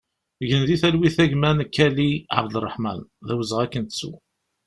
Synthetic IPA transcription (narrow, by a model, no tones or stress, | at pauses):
ʝənðiθælwiθæʝmænkːæliʕa̰bd̪ərˤːəħmæ̰nðæwəzəʁækːənt̪t͡sːṵ